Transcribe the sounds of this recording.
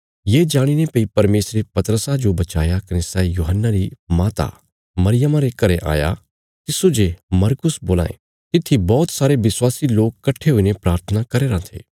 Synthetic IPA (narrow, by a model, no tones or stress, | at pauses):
jeːd͡ʒaːɽ̃inepɐipɐɾmeːsɾepɐt̪əɾəsad͡ʒobɐt͡ʃaːjakɐnesɛːijuːɦənːaɾimaːt̪a̰ | mɐɾɪjəmãɾekɐɾeʔa̰ːja̰ | t̪ɪsod͡ʒemɐɾkʊsboːla̰ːḛ̃ | t̪ɪt̪ʰːibɔːt̪saːɾeʋɪswaːsiloːkkːɐʈʰːeɦʊinepɾaːɾt̪ʰənakɐɾeɾãːt̪ʰḛː